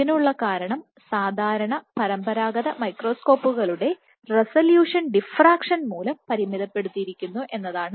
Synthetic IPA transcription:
inuɭːɐkaːɾɐɳɐm | saːd̪ʱaːɾɐɳɐpɐɾɐmbɐɾaːɡɐðɐmɐjkro̞ːsko̞ːpːuɣɐɭuɽe̞ | resɐljuːʂɐnɖifraːkʂɐnmuːlɐmpɐɾimiðɐpːe̞ɽut̪ːijiɾikʲːunːuʔe̞nːɐðaːɳɨ

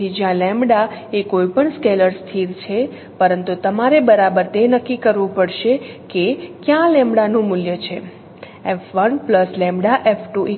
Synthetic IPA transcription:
id͡ʒjãlɛ̃mɽaekoipəɳskeləɾst̪ʰiɾt͡ʃʰe | pəɾənt̪ut̪əmaɾebəɾabəɾt̪enəkːikəɾʋũpəɽʃe | kekjãlɛ̃mɽanũmʊljət͡ʃʰe | efʋənpləslɛ̃mbɽaʔefʰʈuʔi

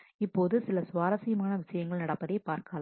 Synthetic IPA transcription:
ɪpːoːðɯsɪlɐsʊʋaːɾɐsɪjɐmaːnɐʋɪʂɐjɐŋɡɐɭnɐɽɐpːɐðɐɪpaːɾkaːl

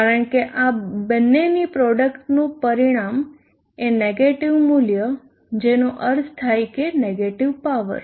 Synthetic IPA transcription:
kaɾəɳkeʔabənːenipɾɔɖəkʈnũpəɾiɽ̃am | eneɡeʈiʋmuljə | d͡ʒenoʔəɾst̪ʰajkeneɡeʈiʋpaʋə̰ɾ

